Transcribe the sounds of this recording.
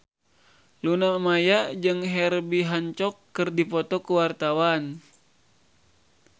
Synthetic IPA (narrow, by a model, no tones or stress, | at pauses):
lunamajad͡ʒɨŋɦɛrbiɦaɲt͡ʃɔkːɨrdipɔt̪ɔkəwart̪awan